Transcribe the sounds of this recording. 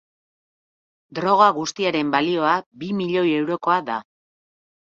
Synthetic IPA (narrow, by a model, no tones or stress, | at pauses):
d̪ɾo̞ɣ̞aɣust̪iaɾe̞mbalio̞abimiʎo̞je̞wɾo̞ko̞aða